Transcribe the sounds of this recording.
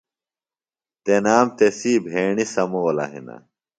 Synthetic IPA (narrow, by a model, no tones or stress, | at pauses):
t̪enaːmt̪esiːbʱeːɳisɐmoɐlɐ̰ɦḭnɐ̰